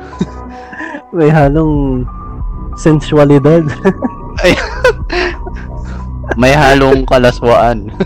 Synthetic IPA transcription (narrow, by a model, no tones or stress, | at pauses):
mɐjɦaːloŋ | sɛnswɐlɪd̪ad̪ | ʔɐj | mɐjhaːloŋkɐlɐswaʔan